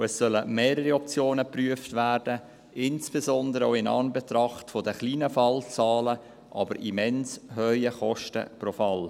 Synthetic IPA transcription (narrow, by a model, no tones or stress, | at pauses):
ɛsːœləmeːɾəɾiɔp̚t͡sjoːnəpryəftvæːrdə | ɪnsb̥ezɔnd̪əɾəoɪnɑ̰nbet̪rɑχtfodəχliːnəfɑlt͡sɑːlə | ʔɑːbəɾʔḭmɛnsɦœʏəχɔʃtə̰profɑl